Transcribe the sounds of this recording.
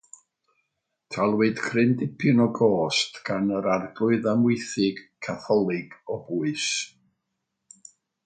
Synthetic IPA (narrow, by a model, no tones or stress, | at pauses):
tʰalˠwɨd̥kʰrɪndɪpʰjʊnɔɡɔːstɡ̥anəɾarɡlˠʊɨðamwɪɨθɪɡ̥kʰːaθɔlˠɪɡɔbuɨs